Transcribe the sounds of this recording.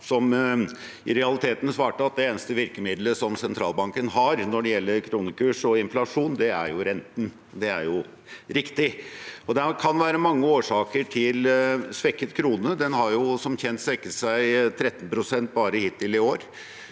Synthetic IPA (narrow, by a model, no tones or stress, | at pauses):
sɔm | ɪɾɛɑlɪt̪ʰeːt̪n̩sʋɑːʈəɑt̪̚d̪ɛeːnəst̪əʋɪɾkəmɪd̪ləʂɔmsɛnt̪ʰɾɑːlbɑŋkənɦɑɾnɔɖɛjɛlːəɾkʰɾuːnəkʉːʂɔɪnflɑʂuːnd̪ɛæ̰ɾjʊɾɛnt̪n̩ | d̪ɛæ̰ɾjʊ | ɾɪkt̪ɪɔd̪ɛkʰɑnʋæːɾəmɑŋːəoːʂɑːkəʈʰɪlsʋɛkːət̪kʰɾuːnəd̪ɛnhɑɾjʊsɔmçɛnt̪sʋɛkːəsæɪt̪ʰɾɛt̪ːn̩pʰɾʊsɛnt̪̚bɑːɾəhɪːt̪ʰːɪlɪoːɾ